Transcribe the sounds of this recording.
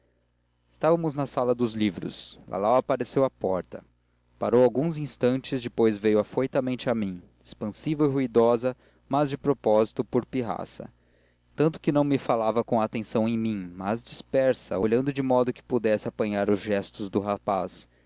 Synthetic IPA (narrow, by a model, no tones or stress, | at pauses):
ɪst̪avɐmʊznɐsalɐd̪ʊzlivɾʊ̰slʔa̰lawapaɾesewɐpɔɾt̪ɐ̰ | paɾowawɡũzĩst̪ɐ̃nt͡ʃɪzd͡ʒɪpojzvejʊafojt̪ɐmẽnt͡ʃɪamĩ | espɐ̃sivɐiɦuid̪ɔzɐ | mɐzd͡ʒɪpɾopɔzit̪ʊpoɾpiɦa̰sɐ̰ | t̪ɐ̃nt̪ʊ̥kɪnɐ̃w̃mɪfalavɐkõat̪ẽsɐ̃w̃ẽj̃mĩmazd͡ʒispɛɾsɐ̰oʎɐ̃nd̪ʊd͡ʒɪmɔd̪ʊkɪ̥pud̪ɛsɪapɐ̃ɲaɾʊzʒɛst̪ʊzd̪ʊɦapas